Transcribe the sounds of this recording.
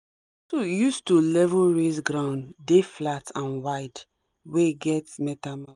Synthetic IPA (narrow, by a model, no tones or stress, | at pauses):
tojustulɛvɹezɡɹãʊ̃ndeflatʰãnwaɪd | weɡɛtmɛtama